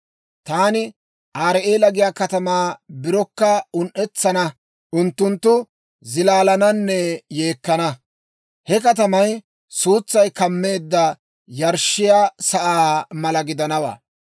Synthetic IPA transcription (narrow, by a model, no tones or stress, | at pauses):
t̪aːnɪ | ʔaːɾʔeːlɐɡɪjaːkɐt̪ɐmaːbɪɾɔkːɐʊnʔɛt͡sːɐnɐ | ʔʊnt̪ːʊnt̪ːʊ | zɪlaːlɐnɐnːɛje̞ːkːɐnɐ | hɛkɐt̪̬ɐmɐj | suːt͡sːɐjkɐmːe̞ːd̪ːɐ | jɐɾʃːɪjaːsɐʔaːmɐlɐɡɪd̪ɐnɐwa̰ː